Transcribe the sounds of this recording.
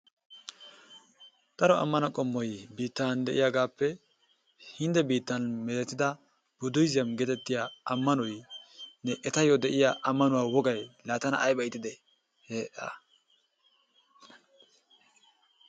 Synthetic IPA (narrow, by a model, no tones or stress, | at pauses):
d̪̥ɐɾɔɐ̰mːɐnɐkʼɔmːɔjbiːt̪ːand̪ɛʔɪjaɡaːpːɛ | hɪnd̪ɛbiːt̪ːɐnmɛlɛt̪ːɪd̪ɐ | b̥ʊd̪ʊjzɪjɐmɡɛt̪ɛt̪ːɪjaːɐmːɐnɔjnɛʔɛt̪ɐjɔd̪ɛʔɪjaːʔɐmːɐnʊwaːwɔɡɐjlaːt̪ɐnɐ̰ʔːjbɐjt̪ːɪd̪ɛ | heːʔɐ̰